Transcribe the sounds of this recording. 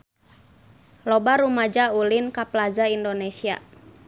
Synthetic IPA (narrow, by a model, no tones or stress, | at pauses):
lɔbaɾumad͡ʒaulinkaplazaindonesia̰